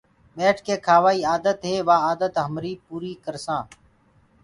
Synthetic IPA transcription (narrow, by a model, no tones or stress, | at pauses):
ɓeːʈʰkʰeːkʰaːʋaːiːaːd̪ət̪ɦeːʋãːaːd̪ət̪ɦəmɾiːpuːɾiːkəɾsãː